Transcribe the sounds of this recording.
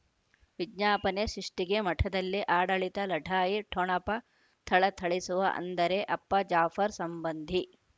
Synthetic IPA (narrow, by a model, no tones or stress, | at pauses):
ʋiɡɲaːpɐneʃɾiʂʈiɡemɐʈʰɐd̪ɐlːiʔaːɽɐɭit̪ɐlɐʈʰaːjiʈʰoɳɐpɐ | t̪ʰɐɭɐt̪ʰɐɭisuʋɐ̰ʔɐ̰nd̪ɐɾeʔɐpːɐd͡ʒaːfɐɾsɐmbɐnd̪ʱi